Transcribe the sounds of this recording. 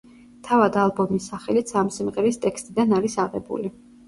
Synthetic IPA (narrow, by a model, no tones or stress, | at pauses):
t̪ʰavad̪alˠbɔmisaχɛlit̪sʰamsimʁɛɾist̪ʼɛkʰst̪ʼid̪anaɾisaʁɛ̰bṵli